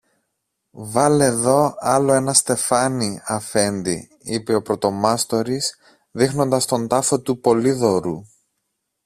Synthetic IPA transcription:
vɐleðo̞ɐlo̞e̞nɐst̪e̞fɐniɐfe̞nd̪ḭ | ipe̞o̞pɾo̞t̪o̞mɐst̪o̞ɾis | ðixno̞nd̪ɐst̪o̞nt̪ɐfo̞t̪upo̞liðo̞ɾu

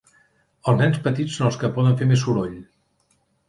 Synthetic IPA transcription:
əlˠznɛnspət̪it͡sːonəlˠskəpɔðəɱfeɾmesuɾoʎ

